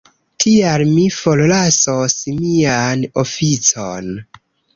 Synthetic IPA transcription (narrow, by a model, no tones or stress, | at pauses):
tʰialmifollasosmianofit͡son